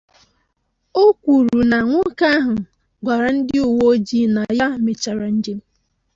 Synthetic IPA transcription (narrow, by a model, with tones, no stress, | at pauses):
o˦kʷu˨ɾu˨na˨ŋʷʊ˦ka˦ɦʊ˨ | ɡʷa˨ɾa˨n̩˦dɪ˦u˨wo˦o˦d͡ʒi˦na˨ja˦˨me˨t͡ʃa˨ɾa˨n̩˦d͡ʒe˦m̩˦